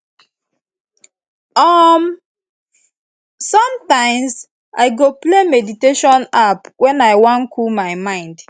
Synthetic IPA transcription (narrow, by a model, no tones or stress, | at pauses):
ɔm | sɔ̃mtãɪ̃ms | a̰ɪɡoplemɛditeʃɔ̃napwʔɛ̃naɪwɔ̃nkʰulmaɪmãɪ̃nd